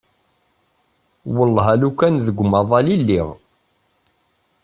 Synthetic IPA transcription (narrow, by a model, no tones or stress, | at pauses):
wəlːɦælukːænðəɡʷmɑðˤɑlilːiʁ